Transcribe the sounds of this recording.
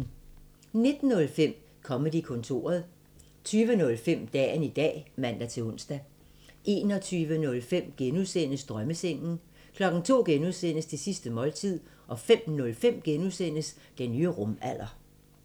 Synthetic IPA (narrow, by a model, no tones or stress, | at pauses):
ne̝d̥n̩ːɔ̽lfem̰ | kʰɒ̽məd̥ikʰɔ̽nt͡sʰo̝̰ːɐð̞̩ˠ | t͡sʰyːʋənɔ̽lfem̰d̥ɛ̰ːnid̥ɛ̰ːmæn̰d̥æt͡sʰe̝ɔ̽nsd̥æ | ʔe̝ːnɒ̽t͡sʰyːʋənɔ̽lfem̰ɡ̥enuðˠsen̰əsd̥ʁɶməseŋ̰n̩ | kʰlɒ̽ɡ̥n̩t͡sʰo̝̰ːɡ̥enuðˠsen̰əst͡sʰe̝sisd̥əmɒ̽lt͡sʰið̞̰ˠ | ʔɒ̽fem̰nɔ̽lfem̰ɡ̥enuð̰ˠsen̰əs | d̥enːyːəʁɔ̽mæl̰ɐ